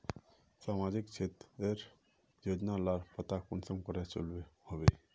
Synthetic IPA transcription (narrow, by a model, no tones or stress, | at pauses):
saːmad͡ʒɪkt͡ʃʰet̪eɾ | joːd͡ʒnalaɾpət̪akʊnsə̃ŋɡkɔɾet͡ʃo̰lbehobe